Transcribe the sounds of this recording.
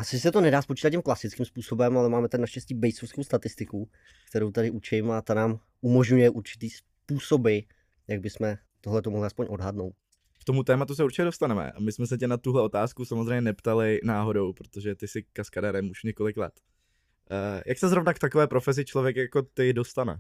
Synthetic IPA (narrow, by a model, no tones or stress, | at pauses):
ʔasɪs̬ɛt̪o̞nɛdaːspot͡ʃit̪at̪cːimklasɪt͡skɪmspuːso̞bɛmalɛmaːmɛt̪adɪnaʃcɛsciːbɛjsofskowst̪at̪ɪst̪ɪku | kt̪ɛɾowt̪adɪʔut͡ʃɪmat̪anaːm | umo̞ʒɲujɛʔuɾt͡ʃɪ̥t̪iːs | puːso̞bɪ | jaɡ̚bɪsmɛ | t̪oɦlɛt̪omo̞ɦlɪaspo̞ɲʔo̞dɦadno̞wt̪̚ | kt̪o̞mut̪ɛːmat̪us̬ɛuɾt͡ʃɪcɛdo̞st̪anɛmɛ̰ʔa̰mɪsmɛsɛcɛnat̪uɦlɛo̞t̪aːskusamozrɛjɲɛnɛpt̪alɪnaːɦo̞dowpɾot̪oʒɛt̪ɪsɪkaskadɛɾɛmuʃɲɛko̞lɪklɛ̰t̪ː | jʔaksɛzɾo̞vnakt̪akovɛːpɾofɛzɪt͡ʃlo̞vjɛkjako̞t̪ɪdo̞st̪anɛ̰